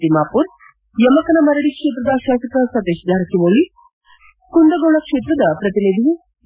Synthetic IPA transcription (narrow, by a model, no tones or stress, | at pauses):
imaːpuɾ | jɐmɐkɐnɐmɐɾɐɽikʂeːt̪̬ɾɐd̪ɐʃaːsɐk̪ɐsɐt̪eʃd̪ʱaːɾɐkʰiʋoːli | kund̪ɐɡoːɭɐkʂeːt̪ɾɐd̪ɐpɾɐt̪iled̪ʱii